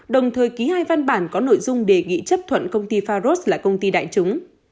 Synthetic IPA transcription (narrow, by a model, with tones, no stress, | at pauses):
ɗə˨˩wŋ͡mt̪ʰəː˨˩jki˨˦haː˧jva˧nɓaː˧˩nkɔ˨˦no̰˧˨jzʊ˧ŋ͡mɗe˨˩ŋḭ˧˨t͡ɕə˦˥p̚t̪ʰwə̰˧˨nkə˧wŋ͡mt̪i˧faː˧zo˦˥t̚laː˨˩kə˧wŋ͡mt̪i˧ɗa̰ː˧˨jt͡ɕʊ˨˦ŋ͡m